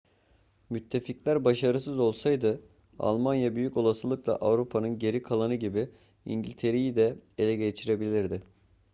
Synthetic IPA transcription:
myt̪ʰːe̞ficlʲæɾbaʃaɾɯsɯzo̞lˠsajd̪ɯ | a̰lˠmanjabyjyco̞lˠasɯlˠɯklˠa̰ʔavɾupʰanɯnɟe̞ɾikʰalˠanɯɟibi | ḭɲɟilʲt̪ʰe̞ɾejid̪ɛelʲɛɟet͡ʃʰiɾe̞bilʲiɾd̪ɪ

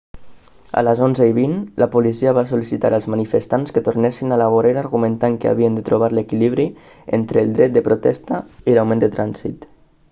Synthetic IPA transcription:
ə̰ləzonzəiβinlʔəpulisiəβasulisit̪a̰ɾəlˠzmənifəst̪anskət̪uɾnɛsinalaβoɾeɾaɾɣumənt̪aŋkəa̰βiənd̪ət̪ɾuβ̞aɾləkiliβɾi | ent̪ɾəːlˠd̪ɾɛt̪̚d̪əpɾut̪ɛst̪əilawmẽnd̪ət̪ɾʔanzḭt̪

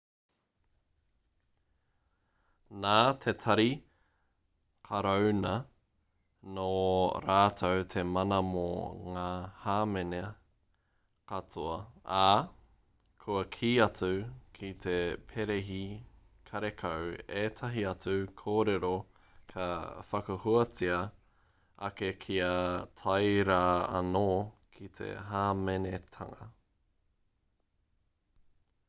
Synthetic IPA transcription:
naːt̪ʰet̪ʰɐɾi | kʰɐɾownɐ | noːɾaːtʰowt̪ʰe̞mɐnɐmo̰ŋaːhaːmene | kɐt͡sʰoɐa | kʰuɐkʰiːɐt͡sukʰit̪ʰe̞pʰeɾeɦi | kʰɐɾekʰɐweːt̪ʰɐɦiɐt͡sukʰoːɾeɾo | kʰɐfɐkɐhuɐt͡siɐ | ɐ̰kekʰiɐtʰɐjɾaɐ̰nokʰit̪ʰe̞̰ɦaːmenetʰɐ̰ŋɐ

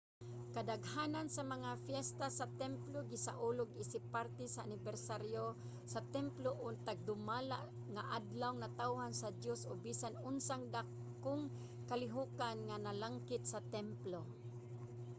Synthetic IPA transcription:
kad̪aɡhanansamaŋafjɛst̪asat̪ɛmploɡɪsa̰ʔʊlʊɡisɪpːaɾt̪ɛsaːnɪbɛɾsaɾjo | sat̪ɛmploʔʊt̪aɡ̚d̪ʊmala̰ʔ | ŋaʔad̪lawŋnat̪awhansad̪josobisanʊnsaŋd̪ak | ʊŋ | kalɪɦukanŋanalaŋkɪt̪̚sat̪ɛmplo

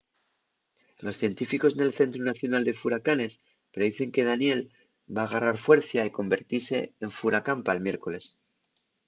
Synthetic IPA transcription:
lo̞sθje̞nt̪ifiko̞zne̞lθe̞nt̪ɾunaθjo̞nald̪e̞fuɾakane̞s | pɾeðiθe̞ŋke̞ð̞anje̞l | baːɣ̞araɾfwe̞ɾθjaiko̞mbe̞ɾt̪iɾse̞ːɱfuɾakampaelmje̞ɾko̞le̞s

